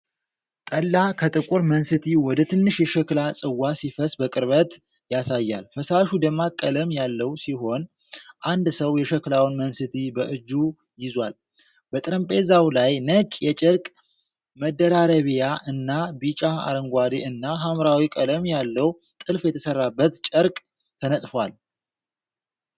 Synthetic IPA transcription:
t̪ʼəlːakʰət̪ʼɨkʼuɾmənsɨt̪ʰiwɔd̪ət̪ʰɨnːɨʃjɛʃəklasʼɨwːasifəsʼbəkʼɨɾβət̪ | jasajːa̰lfəsaʃud̪əmːakʼːələmjalːəwsiɦo̞n | ʔand̪səwjɛʃəklawnmənsɨt̪ʰibəʔɨd͡ʒːu | jɪzwal | bət̪ʼɾəmpʼezawlajnəkʼjɛt͡ʃʼɪɾkʼ | məd̪ːəɾaɾəβijaʔɨnːabit͡ʃʼaa̰ɾəŋɡʷad̪eʔɨnːaɦamɾawikʼələmjalːəw | t̪ʼɨlfjɛt̪ʰəsərːabːət̪t͡ʃʼəɾkʼ | t̪ʰənət̪ʼfwal

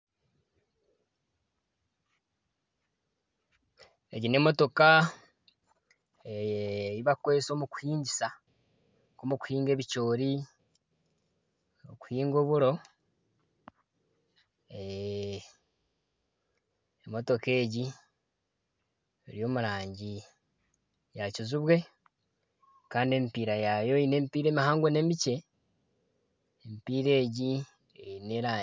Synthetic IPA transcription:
eɟine̞mo̞to̞ka | eiβakweso̞ːmuku̥hiːɲɟisa | komuku̥hiːŋɡe̞ːβit͡ʃo̞ːɾi | oku̥hiːŋɡo̞ːβuɾo̞ | e | emo̞to̞ke̞ːɟi | eɾijo̞ːmuɾaːɲɟi | jacuzuβwe̞ | kaːndiemipiːɾajajo̞ine̞ːmipiːɾe̞ːmihaːŋɡwene̞mice̞ | mipiːɾe̞ːɟi | eineɾa

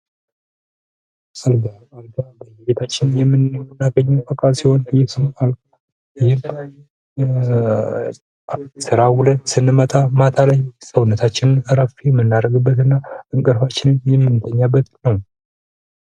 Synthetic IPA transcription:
alɡa | alɡabəjbet̪ʰat͡ʃːɪnjɛmːɨnnːaɡəɲːawbəkʼalsiho̞njɪsɨmalkʼ | jɪhɪm | sɨɾahulət̪sɨnːɨmət̪ʼamat̪ʰaləjsəwunːət̪ʰat͡ʃːɪnɨnɨɾəfijɛmːɨnːaɾəɡɨbːət̪ɨnːaʔɨŋkʼɨɾfat͡ʃːɪnɨnjɛmːɨnːɨt̪ʰəɲːabːət̪nəw

